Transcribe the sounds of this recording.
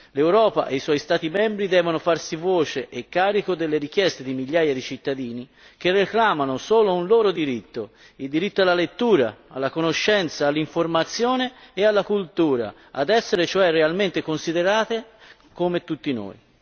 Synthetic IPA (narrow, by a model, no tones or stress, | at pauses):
lewɾɔːpa̰ʔejswɔjst̪aːt̪imɛmbɾid̪ɛːvonofarsivoːt͡ʃeʔekːaːɾikod̪elːeɾik̟jɛst̪ed̪imiʎːaːjad̪it͡ʃit̪ːad̪iːni | k̟erːeklaːmanosoːlounloːɾod̪iɾit̪ːo | ild̪iɾit̪ːoalːalet̪ːuːɾaa̰lːakonoʃːɛnt̪saːlːiɱformat̪sːjoːneːalːakult̪uːɾa̰ | ad̪ɛsːeɾet͡ʃoɛrːealment̪ekonsid̪eɾaːt̪e | komet̪ːut̪ːino̰ːj